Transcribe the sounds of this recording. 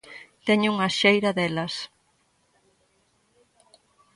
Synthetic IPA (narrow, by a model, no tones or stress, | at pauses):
t̪ɛɲuŋɐʃejɾɐðɛlɐs